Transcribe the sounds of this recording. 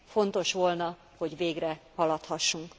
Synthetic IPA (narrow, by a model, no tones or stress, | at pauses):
fo̞nt̪o̞ʃʋo̞lnɒ | ho̞ɟveːɡrɛhɒlɒt̪hɒʃːuŋk